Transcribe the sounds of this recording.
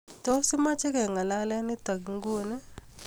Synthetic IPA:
to˦si˦ma˦t͡ʃe˦kɛ˨ŋa˨la˦lɛ˦ni˦t̪a˨ɡi˨ŋɡu˦˨nɛ˦

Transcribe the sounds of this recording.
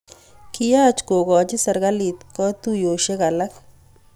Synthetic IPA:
ki˦ja˦t͡ʃko˨ɣɔ˨t͡ʃɪ˦sɐ˨ɾɣa˦li˨t̪kɔ˦t̪u˦jo˨ʃe˦ka˨la˦k

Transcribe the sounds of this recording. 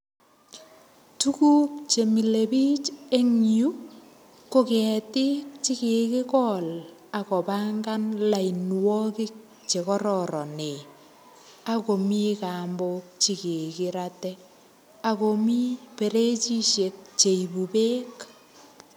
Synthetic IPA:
tu˦ku˦k̚t͡ʃe˨mi˨le˨pi˦t͡ʃe˦ŋju˦ | ko˦kɛ˨tɪ˦k̚t͡ʃi˦ke˨kɪ˦kɔla˨kɔ˨pa˦ŋɡa˦nla˨i˨nwɔ˦kɪ˦k̚ | t͡ʃe˨kɔ˦ɾɔ˨ɾɔ˨ne˨ | a˨ko˨mi˦ka˨mbok̚t͡ʃi˨ke˨kɪɾatɛ˦ | a˨ko˨mi˦pe˨ɾe˦t͡ʃi˦ʃe˨k̚t͡ʃe˨i˨bu˨peː˦k

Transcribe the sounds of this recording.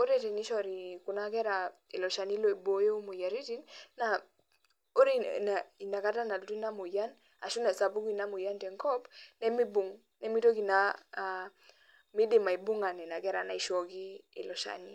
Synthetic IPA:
o˦ɾe˦˨te˨ni˦ʃɔ˦˨ɾi˨ku˨na˦kɛ˦ɾa˨e˨lɔ˨ʃa˨ni˦lo˦˨i˨bo˦jo˦u˦mu˨ja˨ɾi˦ti˦nnːa˨ | o˦ɾe˦na˨i˨na˨ka˦ta˦na˨du˨tu˦i˦na˦mu˨ja˦n | a˨ʃu˦na˨sa˨bu˦ki˦˨na˦mu˨ja˦ntɛ˨ŋkɔ˦bnɛ˦mi˦bu˨ŋ | nɛ˦mi˦to˦ki˨na˨ | mi˦de˨ma˨i˨bu˦ŋa˨nɛ˨na˨kɛ˦ɾa˨na˨i˨ʃɔ˦ki˦ḛ˨lɔ˨ʃa̰˨ni˦

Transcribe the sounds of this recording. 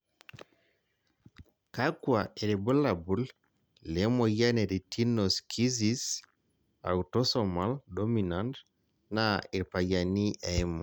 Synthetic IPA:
ka˦kwa˨e˨ɾe˨bu˦la˨bu˨˦l | le˨˦mo˨ja˦ne˨ɾi˨tʰi˦nɔ˨skʰi˦zi˦s | a̰˨wu˨tɔ˦sɔ˨ma˦ldɔ˦mi˨na˦nt | nai˨ɾpa˨ja˨ni˦ʔa˨i˦mɔ˨

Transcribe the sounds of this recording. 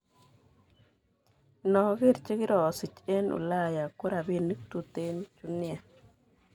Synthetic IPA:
nɔ˨ɡi˦˨ɾt͡ʃe˦ki˦ɾɔ˨si˨t͡ʃe˦nṵ˨la˦˨ja˨ku˦ɾa˨bi˦ni˦k̚t̪u˦t̪e˦n˦t͡ʃu˦nja˨

